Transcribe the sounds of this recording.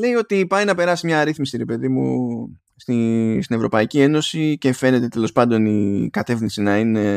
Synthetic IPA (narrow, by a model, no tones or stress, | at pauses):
le̞io̞t̪ipɐjnɐpe̞ɾɐsimɲɐɾiθmisiɾe̞pe̞ðimṵ | st̪ist̪ine̞vɾo̞pɐicie̞no̞sice̞fe̞ne̞t̪e̞t̪e̞lo̞spɐnd̪o̞nikɐt̪e̞fninsinɐine̞